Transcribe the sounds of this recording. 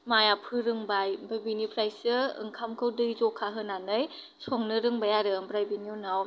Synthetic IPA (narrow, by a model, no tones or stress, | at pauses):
majapʰɯɾɯŋbajbabinipʰɾajsɯɯ̰ŋkʰamkʰɯwdɯzɔkʰaɦɯnanɯj | sɔŋnɯɾɯŋbajaɾɯmbɾajbiniunaw